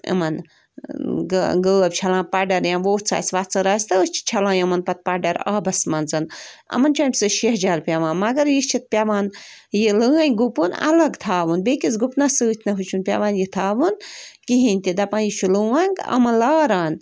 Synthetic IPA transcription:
ɐ̰mɐn | ɡɡəːɐb̚ʲt͡ʃʰɐlãːpɐɖɐɾjãːʋoːt͡sʰa̰ːsʋat͡sɐɾaːst̪ɨst͡ʃʰi̥t͡ʃʰɐlãːjɐmɐnpɐt̪̚paɖɐɾa̰ːbɐsmɐnzɨnɐ̰mɐnt͡ʃʰaːnʲsɨʃiɦd͡ʒaːlpʲaʋãːnmɐɡɐɾjist͡ʃʰit̪̚pʲaʋaːnjilɨãːnɡupunɐ̰lɐɡt̪ʰaːʋɨnbekizɡupnɐsɨːt̪ʰʲnɐɦut͡ʃʰunpʲa̰ʋãːnjit̪ʰaːʋunkiɦinʲt̪ʲid̪ɐpãːnjit͡ʃʰulɨːwaːŋkɐ̰mɐnlaːɾaːn

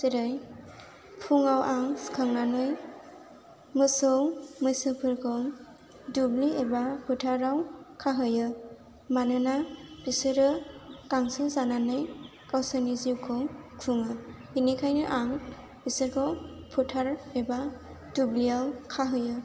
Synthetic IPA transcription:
siɾɯj | pʰuŋawʔaŋskʰɯŋnanɯj | mɯsɔwmɯjsɯpʰɯɾkʰɔ | dubliebapʰutʰaɾawkʰaɦɯjɯ | manɯnab̥isɯɾɯkaŋsɯzananɯj | kawsanizikʰɔwkʰuŋɯ | inikʰajnɯʔaŋ | b̥isɯɾkʰɔwpʰutʰaɾeba | dubliawkʰaɦɯjɯ

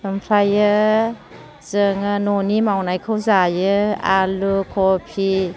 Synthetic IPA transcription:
ɯmpʰɾajɯ | z̥ɯŋɯnɔnimawnajkʰɯwzajɯalukʰɔpʰi

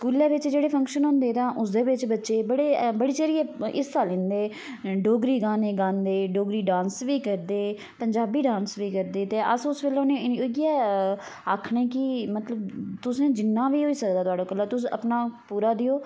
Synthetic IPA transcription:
skuːleːʋɪt͡ʃd͡ʒeːɽeːpʰə̃ŋkʃənɦʊ̃ːnd̪eːt̪ãːʔʊs̬d̪eːʋɪt͡ʃbətːʃeːbəɽeːbəɽiːt͡ʃəɾiːɛːɪsaːlɪ̃nd̪eː | ɖoːɡɾiːɡaːneːɡãːnd̪eːɖoːɡɾiːɖãːnsʋiːkəɾd̪eː | pəɲd͡ʒaːbiːɖãːnsʋiːkəɾd̪eːt̪eːʔəsʊsʋelõːnẽːɪoɡiɛː | aːkʰɳeːkɪmət̪ləbt̪ʊsẽːd͡ʒɪnːãːʋiːɦoːiːsək̚d̪aːt̪ʊaːɖõːkəlːaːt̪ʊsə̰pnaːpuːɾaːd̪ɪjoː

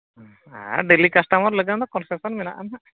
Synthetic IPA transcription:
a̰ɖelikasʈamɔɾləɡand̪ɔkɔnsɛsɔnmɛna̰ʔanaʔ

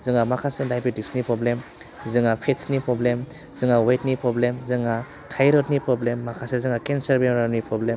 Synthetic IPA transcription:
zɯŋamakʰasedajpitiksnipɾɔblem | zɯŋapʰetsnipɾɔblem | z̥ɯŋawajt̚nipɾɔblemzɯŋa | kʰajɾɔtnipɾɔblemːakʰasezɯŋakensaɾbemɾanipɾɔblem

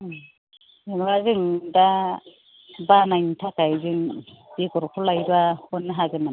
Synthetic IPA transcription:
ɯŋɾazɯŋda | banajnitʰakajzɯŋ | biɡɔɾkʰɔlajbahɔnːɯɦaɡɯna

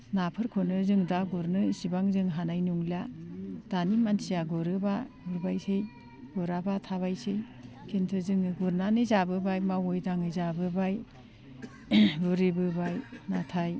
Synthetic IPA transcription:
napʰɯɾkʰonɯzɯŋdaɡuɾnɯsibaŋzɯŋɦanajnuŋlad̥animansijaɡɔɾɯba | buɾbajsej | ɡ̥ɔɾabatʰaβajsej | kʰentʰɯzɯŋɯɡuɾnanɯzabɯbajmawojdaŋɯzabɯbaj | buɾibɯbajnatʰaj

